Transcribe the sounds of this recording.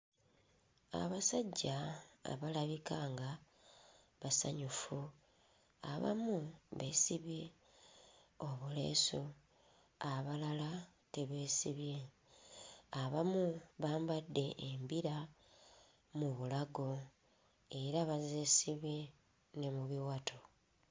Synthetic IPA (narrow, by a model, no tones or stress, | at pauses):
a̰βasaɟːaa̰βalaβikaːŋɡa | βasa̰ɲufu | a̰βa̰muβesiβje̞ | oβule̞̰so | aβalala | teβe̞ːsiβje̞ | aβamuβaːmbadːe̞ʔːmbiɾa | muβulaɡo̞ | e̞ɾaβazesiβje | ne̞muβiwatʰo